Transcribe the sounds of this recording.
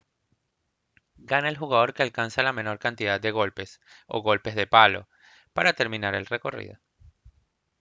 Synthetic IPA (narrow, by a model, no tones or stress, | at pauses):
ɡanaelxuɣaðo̞ɾkealkansalame̞no̞ɾkant̪iðad̪̚d̪e̞ɣ̞o̞lpe̞s | o̞̰ɣo̞lpe̞zðe̞palo̞̰ | paɾat̪e̞ɾmĩnaɾelre̞ko̞rḭðo